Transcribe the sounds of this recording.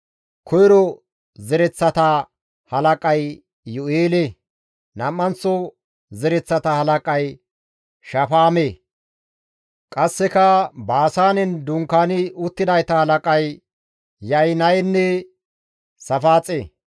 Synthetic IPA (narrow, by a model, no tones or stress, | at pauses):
kʰɔjɾɔ | zɛɾɛt͡sːɐt̪ɐ | hɐlɐkʼɐj | jɔeːle | nɐmːɐnt͡sːɔ | zɛɾɛt͡sːɐt̪ɐhɐlɐkʼɐj | ʃɐfaːme | kʼɐsːɛkɐbaːsaːnɛnd̪ʊŋkaːnɪʊt̪ːɪd̪ɐjt̪ɐhɐlɐkʼɐj | jɐjnɐjnːɛ | sɐfaːt͡sʼeː